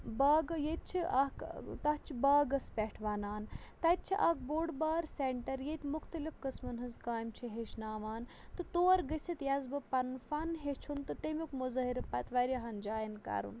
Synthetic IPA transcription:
baːɡɐjet̪̚t͡ʃʰiʔakt̪ɐɦ̪t͡ʃʰibaːɡɐspʲɛʈʰʋaːnaːnt̪ɐt̪̚t͡ʃʰiʔɐk̚boːɽbaːɾseɳʈɐɾjet̪ʲmʊxt̪ɐlifkɐsmɐnɦɐzkaːjmt͡ʃʰiɦeʃnaːʋaːnt̪ɨt̪oːɐɾɡəsʲit̪jɐzbɨpɐnfɐnɦet͡ʃʰunt̪ɨt̪emukmuzɐɦiɾɐpɐt̪ʋɐɾiɐɦɐnd͡ʒaːjinka̰ɾṵn

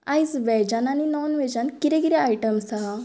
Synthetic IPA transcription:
ajsʋɛd͡ʑananinɔnʋɛd͡ʑankiɾɛkiɾɛajʈəmsa

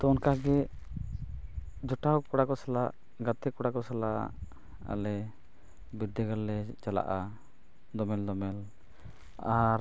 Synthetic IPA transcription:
t̪ɔnkaɡɛ | d͡ʒɔʈawkɔɽakɔsalaʔ | ɡat̪ɛkɔɽakɔsala | a̰lɛ | biɾd̪ɛɡalːɛt͡ʃala̰ʔa | d̪ɔmɛld̪ɔmɛl | aɾ

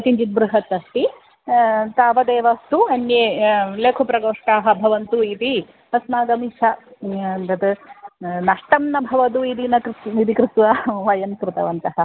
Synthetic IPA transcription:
ɐt̪iɲt͡ʃit̪̚bɾuɦɐt̪ɐst̪i | t̪aːʋɐd̪eːʋɐst̪uɐnjeːleːkʰupɾɐɡoːʂʈaːɦɐ̆bʱɐʋɐnt̪uit̪i | ɐsmaːɡɐmiʂɐ | d̪ɐt̪ | nɐʂʈɐmnɐbʱɐʋɐd̪uid̪inɐkɾid̪ikɾɪt̪ʋɐʋɐjɐnkɾut̪ɐ̰ʋɐnt̪ɐɦɐ

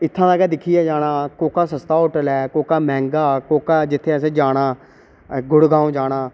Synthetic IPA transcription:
ɪt̪ʰːãːd̪aːɡɛːd̪ɪkʰːijɛːd͡ʒaːɽaːkoːkaːsəst̪aːʊːʈəlɛːkoːkaːmɛ̃ːŋɡaːkoːkaːd͡ʒɪt̪ʰːeːəs̬ẽːd͡ʒaːɽ̃aː | ɡʊɽɡaːõːd͡ʒaːɽaː

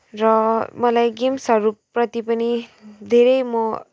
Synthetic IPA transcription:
rʌmʌlajɡimsʌɾupːrʌt̪ipʌnid̪ʱeɾʌjmʌ

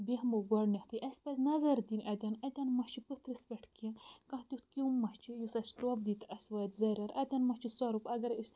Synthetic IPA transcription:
bihmoɡɐɽnʲɐht̪ʰɨʔɐsʲpɐzʲnɐzɐɾd̪inʲʔɐd̪ʲɐnɐt̪ʲɐnmɐht͡ʃʰipɨt̪ʰɾɨspʲɐʈʰkiɐkɐ̃t̪ʲut̪ʰkʲumːɐht͡ʃʰijusɐsʈobd̪it̪ɐsʋɐːt̪ʲzɐɾʲɐɾɐd̪ʲɐnmɐht͡ʃʰisɐɾupɐɡɐɾisʲ

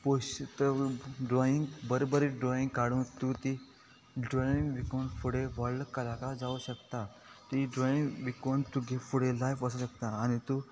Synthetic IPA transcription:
poɕt̪əɖɾɔiŋɡbəɾobəɾiɖɾɔĩŋɡkaɽũːnt̪ut̪i | ɖɾɔĩŋɡʋikoɳfuɽeʋəɭːkəlakad͡zauɕəkt̪a | t̪iɖɾɔĩŋɡʋikont̪uɡʱefuɽelajfəsəɕəkt̪aːñit̪u

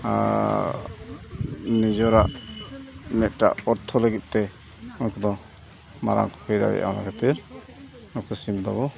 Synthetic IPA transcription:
a̰ | nid͡ʒɔɾaʔ | mɛt̪̚ˀʈa̰ʔɔɾt̪ʰɔləɡit̪̚ˀt̪ɛ | ɔnkɔd̪ɔ | maɾa̰ŋkɔ̥pʰɛjd̪a̰ɽɛ̰jʔa̰na̰kɛt̪iɾ | nɔktɔsimd̪ɔβɔ

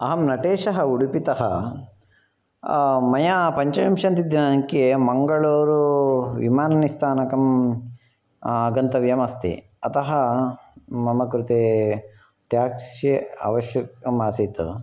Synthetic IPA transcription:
ɐɦɐmnɐʈeːʃɐɦɐuɽupit̪ɐɦɐ̰ | mɐjapɐɲt͡ʃɐjɐmʃɐnt̪id̪ɐnaŋkemɐŋɡɐɭoːɾuʋḭmaːnɐnist̪ʰaːnɐkɐm | ɐɡɐnt̪ɐʋjɐmɐst̪ḭ | ɐt̪ɐɦɐ | mɐmɐkɾut̪eː | ʈjaːkjeɐ̰ʋɐʃjɐkɐmaːsit̪ṵ

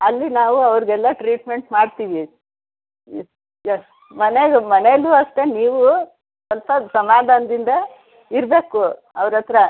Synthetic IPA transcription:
ɐlːinaːʋuɐʋɾɡɛlːɐʈɾiːʈme̞ɳʈmaːɖt̪iʋi | mɐneɡmɐnelːuɐʂʈe̞niːʋu | sɔlpɐsɐmaːd̪ʱaːnɐd̪ind̪ɐ | iɾbe̞ːku | ɐʋɾɐt̪ːɐɾɐ

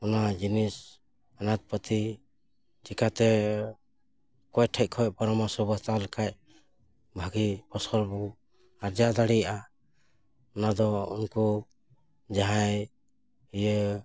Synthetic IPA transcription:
ɔnad͡ʒinis | anat̪̚pət̪i | t͡ʃikat̪ɛ | kɔjʈʰɛc̚kʰɔjpɔɾɔmasɔbast̪awlɛkʰaj̚ | bʱaɡipɔsɔlbɔ | aɾd͡ʒad̪aɽijaʔa | ɔnad̪ɔṵnku | d͡ʒaɦaj | ijə

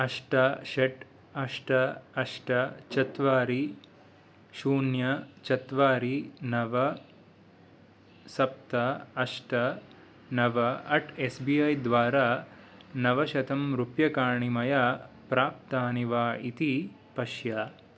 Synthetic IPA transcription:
ɐʂʈɐʃeʈ | ɐʂʈɐɐʂʈɐt͡ʃɐt̪ʋaːɾi | ʃuːnjɐt͡ʃɐt̪ʋaːɾinɐʋɐ | sɐp̚t̪ɐɐʂʈɐ | nɐʋɐɐʈʰesbiɐjd̪ʋaːɾaː | nɐʋɐʃɐt̪ʰɐmɾupjɐkaːɳimɐjaː | pɾaːp̚t̪aːniʋaːit̪i | pɐʃjaː

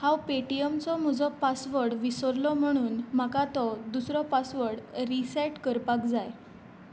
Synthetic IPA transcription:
hãwpeʈijəmt͡sɔm̤ɔd͡zɔpasʋəɾɽʋisəɾlɔm̤əɽ̃uːnm̤akat̪ɔd̪usɾɔpasʋəɾɽɾisɛʈkəɾpakd͡zaj

